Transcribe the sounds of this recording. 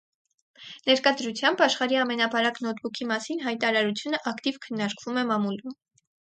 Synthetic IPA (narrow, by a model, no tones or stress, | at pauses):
nɛɾkɑd̪ɾut͡sʰjɑmbɑʃχɑɾiɑmɛnɑpɑɾɑkn̪ɔt̪̚ʰbukʰimɑsinɦɑjt̪ɑɾɑɾut͡sʰjunəʔɑkt̪ivkʰənːɑɾkvumɛmɑmulum